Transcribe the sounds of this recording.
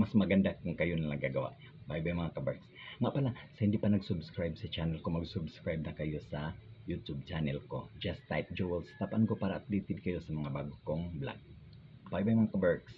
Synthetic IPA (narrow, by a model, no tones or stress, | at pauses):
mɐsmɐɡɐnd̪akʊŋkɐjonɐnɐɡaɡɐwa̰ʔ | bajbajmɐŋakɐbɛɹksŋaʔpɐlasɐhɪnd̪iʔpɐnɐɡsʊbskɹajbsɐt͡ʃanɛlkomɐɡsʊbskɹajb̚nɐkɐjo̞sɐjut̪ub̚t͡ʃanɛlkod͡ʒast̪ːajp̪̚d͡ʒowɛlst̪apʔankopaːɾɐʔɐt̪liːt̪ɪd̪̚kɐjosɐmɐŋabaɡʊkoŋbla̰t̪̚ | bajbajmɐŋakɐbɛɹks